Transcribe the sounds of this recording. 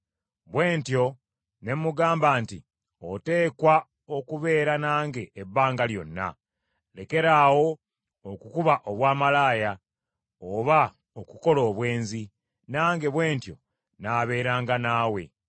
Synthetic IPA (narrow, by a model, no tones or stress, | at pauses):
βwe̞ːntjo̞ | ne̞mːuɡaːmbaːnti | ote̞ːkwa | okuβe̞ːɾanaːŋɡe̞ːbːaːŋɡaljo̞̰nːa̰ | le̞ke̞ɾawo̞ | okukuβaʔoβwaːmalaːja | oβa | okuko̞loːβwe̞ːnzi | naːŋɡe̞βwe̞ːntjo̞̰ | naːβe̞ːɾaːŋɡanaːwe̞